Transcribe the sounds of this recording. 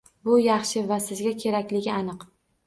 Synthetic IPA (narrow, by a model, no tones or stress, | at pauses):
bʊjɑχʃɪvasɪzɡʲakʲʰe̞ɾakʲlɪɡʲɪanɨq